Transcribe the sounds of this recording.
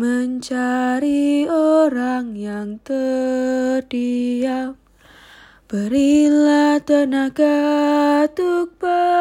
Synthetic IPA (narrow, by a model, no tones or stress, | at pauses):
məɲt͡ʃaɾioɾaŋjaŋt̪ə | d̥ial | b̥əɾilat̪ənaɡ̥a | t̪uk̚ba